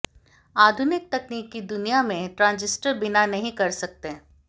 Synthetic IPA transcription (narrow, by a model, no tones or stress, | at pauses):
aːd̪ʱʊnɪk̚t̪ɐkniːkːid̪ʊnijamẽʈɾãːnzɪsʈəɾbɪnanɐɦĩkɐɾsɐk̚t̪e